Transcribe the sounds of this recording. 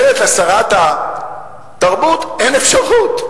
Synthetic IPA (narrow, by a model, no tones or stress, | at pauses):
lefasaʁat̪a | t̪aʁbut̪enefʃaʁut̪